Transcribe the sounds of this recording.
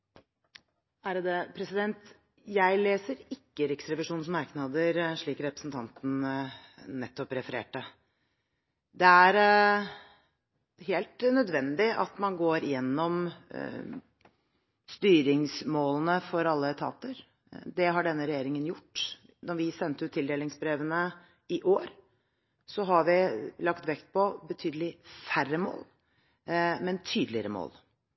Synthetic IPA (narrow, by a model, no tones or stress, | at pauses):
æɾd̪ɛpʰɾɛsɪd̪ɛnt̪ | jæɪleːsəɾɪkːəɾɪksɾɛʋɪʂuːnsmɑɾknɑd̪əɾʂɭiːkɾɛpɾəsn̩t̪ʰɑnt̪n̩ | nɛt̪ːɔpɾɛfəɾḛːʈːə | d̪ɛæɾ | heːlt̪nœd̪ʋɛnd̪ɪʔɑ̰t̪mɑnɡoːɾɪjɛnːɔm | st̪yːɾɪŋsmoːlənəfɔɾɑlːət̪ʰɑ̰ːt̪əɾ | d̪ɛɦɑɖɛnːəɾɛjeːɾɪŋənjʊʈː | nɔɾʋɪsɛnt̪əʉːt̪ʰːɪld̪eːlɪŋsbɾeːʋənə | ɪʔoːɾ | sɔɦɑɾʋɪlɑkt̪ʋɛkt̪̚pʰɔbət̪ʰyːd̪əlɪfærəmo̰ːl | mɛnt̪ʰyːd̪əlɪəɾəmo̰ːl